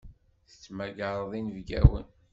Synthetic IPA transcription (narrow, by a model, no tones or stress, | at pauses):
θə̥t͡sːmæɡəɾˤəðˤinəvɡæ̰wə̰n